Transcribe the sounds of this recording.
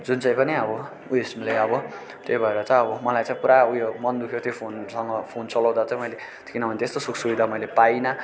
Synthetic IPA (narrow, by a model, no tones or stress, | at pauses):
d͡zunt͡sãĩpʌniʌbʌ | uesmlaʌbʌ | t̪ejbʱʌeɾʌt͡sʌʌbʌmʌlajt͡sãĩpuɾaujomʌnd̪ukʰjot̪jopʰonsʌŋɡʌpʰont͡sʌlʌw̃d̪at͡sʌ̃mʌjle | t̪ʰi̥kinʌbʱʌnet̪est̪osukʰsubid̪ʱamʌjlepajnʌ